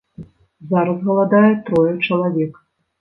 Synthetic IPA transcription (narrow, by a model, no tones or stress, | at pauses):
zaɾɐzɣɐlˠad̪ajɛt̪ɾɔjɛt͡ʂɐlˠavʲɛk